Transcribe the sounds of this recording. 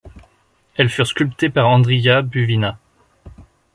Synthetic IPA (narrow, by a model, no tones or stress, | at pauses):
ɛlfyʁskʲylpt̪epaʁɑ̃d̪ʁijabyvina